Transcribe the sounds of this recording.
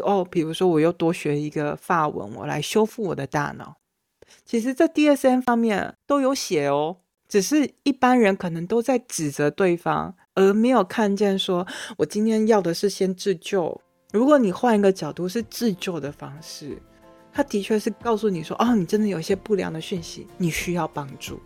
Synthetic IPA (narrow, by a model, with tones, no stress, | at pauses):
ɔ˥˩pi˨˩ɻu˧˥ʂwɔ˥wɔ˨˩jo˥˩ʊt̪wɔ˥ɕɥɛ˧˥i˧˥ɡə˧fa˥˩wə̰˧˦nwɔ̰˨˩la̰˧˥ɪɕjo˥ʊfu˥˩wɔ̰˨˩d̪ə˦t̪a̰˥˩nɑ̰˨˩˦ʊ | t͡ɕʰi˧˥ʂ̬ɻ̩˧˥t͡sa˥˧ɪt̪i˥˧ə˥˩sə˥nfɑ˥ŋmjɛ˥˩nt̪o˥ʊjo˧˥ʊɕjɛ˨˩jo˧˥ʊ | ʈ͡ʂɻ̩˨˩ʂɻ̩˥˧i˥˩pa˥nɻə˧˥nkʰɤ˨˩nɤ˧˥ŋt̪o˥ʊt͡sa˥˩ɪʈ͡ʂɻ̩˨˩t͡sə˧˥t̪we˥˩ɪfɑ̰˥ŋ | ə˞˧˥me˧˥ɪjo˨˩ʊkʰa˥˧nt͡ɕjɛ˥˩nʂwɔ˥wɔ˨˩t͡ɕi˥nt̪ʰjɛ˥njɑ˥˩ʊd̪ə˩ʂɻ̩˥˩ɕjɛ˥nʈ͡ʂɻ̩˥˧t͡ɕjo˥˩ʊ | ɻu˧˥kwɔ˧˥˦ni˨˩xwa˥˩ni˧˥ɡə˧t͡ɕjɑ˨˩ʊt̪u˥˧ʂ̬ɻ̩˥˧ʈ͡ʂɻ̩˥˧t͡ɕjo˥˩ʊd̪ə˩fɑ˥ŋʂɻ̩˥˩ | t̪ʰa˥t̪i˧˥t͡ɕʰɥɛ˥˧ʂɻ̩˥˧kɑ˥˧ʊsu˥˩ni˨˩ʂwɔ̰˥ʔɔ˥˩ni˨˩ʈ͡ʂə˥nd̪ə˨jo˨˩ʊi˥˩ɕjɛ˥pu˥˩ljɑ̰˧˥ŋd̪ə˨ɕy˥˩nɕḭ˧˦ni˨˩ɕy˥jɑ˥˩ʊpɑ˥ŋʈ͡ʂṵ˥˩